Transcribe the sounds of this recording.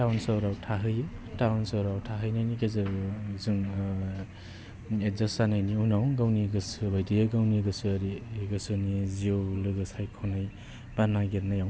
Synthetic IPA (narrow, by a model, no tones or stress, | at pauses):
tawnsɔɾawtʰaɦɯjtawnsɔɾawtʰaɦɯjnajnikezɯzuŋ | ezasanajniunawɡawniɡɯsɯbajdijɯɡawniɡɯsɯaɾiɡɯsɯniziowlɯɡɯsajkʰonaj | b̥anaɡiɾnajaw